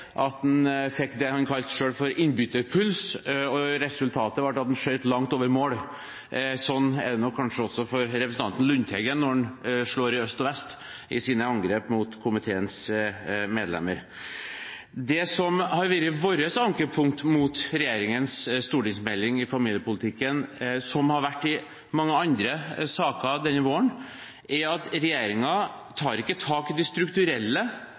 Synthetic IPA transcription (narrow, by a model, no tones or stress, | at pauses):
ʔɑt̪̚d̪nfɛkːd̪ɛhɑnkʰɑlt̪ʂøːɽfɔɾɪnbʏt̪əɾpʰʉlsɔɾɛsʉlt̪ʰɑːt̪əʋɑʈːɑt̪d̪ɛnʂœʏt̪lɑŋt̪oːʋəɾmoːɽ | sɔnːɛd̪ɛnɔkʰɑnʂəɔsɔfɔɾɾɛpɾəsn̩t̪ɑnt̪n̩lʉnt̪ʰɛɡənɔnʂɭoːɾɪœst̪ɔʋɛst̪ | ɪsiːnəɑŋɡɾeːpmʊt̪kʰʊmɪt̪ʰeːəns | meːd̪lɛ̰mːəɾ | d̪ɛsɔmhɑɾʋiɾəʋoːɾəsɑŋkəpʰʊŋt̪mut̪ɾɛjeːɾɪŋənsst̪uːʈɪŋsmɛlːɪŋɪfɑmiːljəpʊlɪt̪ʰɪkːənsɔmhɑɾʋæʈːɪ | mɑŋːəɑnd̪ɾəsɑːkɑd̪ɛnːəʋoːəɳ | ʔæɾɑt̪ɾɛjeːɾɪŋɑ | t̪ʰɑːɾɪkːət̪ʰɑːkɪd̪ɪst̪ɾʉkt̪ʉɾɛlːə